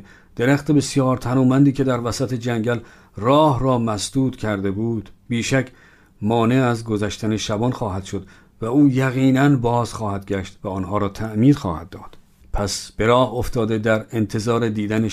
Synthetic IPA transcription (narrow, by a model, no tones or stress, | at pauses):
d̪̥e̞ɾæxt̪ʰe̞be̞sjɒːɾt̪ʰænuːmænd̪iːkʲʰe̞d̪æɾvæsæt̪ʰe̞d͡ʒæŋɟæl | rɒːhrɒːmæsd̪̥uːt̪cʲʰæɾd̪e̞buːd̪̥biːʃæcʰ | mɒːne̞æzɡo̞zæʃt̪ʰæne̞ʃæbɒnxɒːhæd̪̥ʃo̞d̪ | væuːjæɣiːnænbɒːz̥χɒːhæd̪ɡæʃt̪væɒːnhɒːɾɒːt̪ʰæʔmiːd̪xɒ̰ːhæd̪ːɒːd̪̥ | pʰæsb̥e̞ɾɒːhoft̪ʰɒːd̪e̞d̪æɾe̞nt̪ʰe̞zɒːɾed̪iːd̪æne